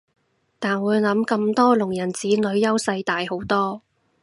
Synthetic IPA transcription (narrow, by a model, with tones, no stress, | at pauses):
t̪aː˨nwuː˨˧jlɐ˨˥mkɐ˧mt̪ɔː˥lʊ˨˩ŋjɐ˨˩nt͡siː˨˥nɵ˨˧ɥjɐ˥wsɐ˧jt̪aː˨jho˨˥wt̪ɔː˥